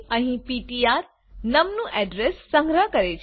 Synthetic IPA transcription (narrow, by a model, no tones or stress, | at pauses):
ə̃ɦĩpiʈiaɾ | nəmnũʔɛɖɾesːə̃ŋɡɾəɦkəɾet͡ʃʰ